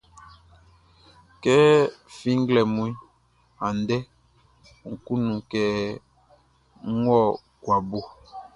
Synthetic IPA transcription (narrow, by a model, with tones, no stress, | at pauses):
kɛ˦fĩ˦ŋ˦ɡlɛ˨mũ˦i˦ | a˨n˨dɛ˦˨ | ŋ̩˨ku˦nũ˨kɛ˨˦ | ŋ̩˦wɔ˦˨ | kwa˨bo˦